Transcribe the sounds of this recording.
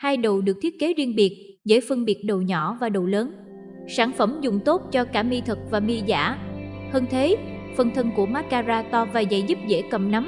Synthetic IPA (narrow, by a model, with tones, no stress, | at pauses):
haː˧jɗə˨˩wɗɨ˨˩ək̚t̪ʰi˦˥ət̚ke˨˦zi˧ənɓi˨˩ət̚ | zə̰ː˧˥jfə˧ŋɓi˨˩ət̚ɗo˨˩wɲɔ˧˩vaː˨˩ɗo˨˩wləː˨˦n | saː˧˩nfə˧˩mzʊ˨˩ŋ͡mt̪o˦˥t̚t͡ɕɔ˧kaː˧˩mi˧t̪ʰɨ˨˩k̚vaː˨˩mi˧za̰ː˧˥həː˧nt̪ʰe˨˦fə˨˧˩nt̪ʰə˧nku˧˩əmaː˦˥t̚kaː˧zaː˧t̪ɔ˧vaː˨˩za̰˧˥˨jzu˦˥p̚zḛ˧˩kə˨˩mna˨˦m